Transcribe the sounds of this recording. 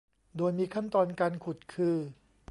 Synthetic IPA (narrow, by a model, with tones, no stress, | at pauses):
doː˧jmiː˧kʰa˥˩nt̪ɔː˧nka˧nkʰu˨˩t̪̚kʰɯː˧